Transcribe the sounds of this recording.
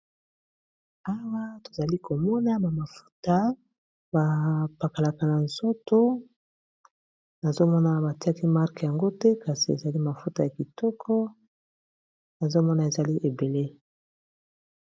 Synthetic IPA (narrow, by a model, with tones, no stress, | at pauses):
a˦wa˦to˨za˨li˦kʰo˨mɔ˦na˦ba˨ma˨fu̥˦ta˦ | ba˨pa˨ka˨la˨ka˨na˨nz̥o˦to˦ | na˨zo˦mɔ˦na˨ba˨ti˦a˦ki˦ma˦ʁkja˨ŋɡo˦tɛ˦ka˨si˨e˨za˨li˦ma˨fu˦ta˨ja˨ki˨tɔ˦kʰɔ˦ | na˨zo˦mɔ˦na˨e˨za˨li˦ʔe˨be˨le˦